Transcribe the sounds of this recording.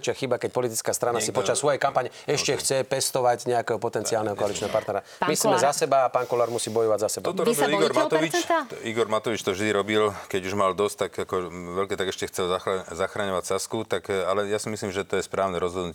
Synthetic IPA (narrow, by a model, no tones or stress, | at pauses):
t͡ʃɪaxibakɛc̚pɔlit̪it͡skaːst̪ɾanasipɔt͡ʃassːʋɔjɛjkampaːɲɛɛʃcɛxt͡sɛpɛst̪ɔʋaɟɲɛakɛːɦɔpɔt̪ɛnt͡siaːlnɛɦɔkɔalit͡ʃnɛɦɔpaɾt̪nɛɾa | mismɛzasɛbaːpaːŋkɔlaːɾmusiːbɔjɔʋaɟzasɛbaɔt̪ɔɾiɡɔɾmat̪ɔiiɡɔɾmat̪ɔʋit͡ʃt̪ɔvʒd̪iɾɔbilkɛɟuʒmald̪ɔst̪akakɔʋɛlkɛːt̪aɡɛʃcɛxt͡sɛlazaxɾaɲɔʋacsaskut̪akalɛjasimisliːmʒɛt̪ɔjɛspɾaːʊnɛɾɔzɦɔd̪nucɛɛ